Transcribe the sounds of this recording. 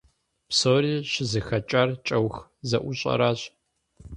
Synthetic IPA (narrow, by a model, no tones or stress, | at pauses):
psoːɾiːɕɪzɨxɐt͡ʃʼart͡ʃʼɐwxzɐʔʷʊɕʼɐ̰ɾaːɕ